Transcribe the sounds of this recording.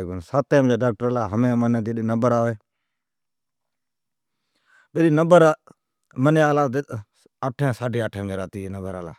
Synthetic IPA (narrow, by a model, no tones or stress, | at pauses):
bənsaːt̪ẽːmd͡ʒaːɖaːk̚ʈəɾaːlaːɦəmẽːmənẽːd̪eɗiːnəbəɾaːʋeː | ɓeɗiːnəbəɾ | məneːaːlãː | aːʈʰẽːsaːɖiːaːʈʰẽːmeɾaːt̪iːenəbəɾaːla̰ː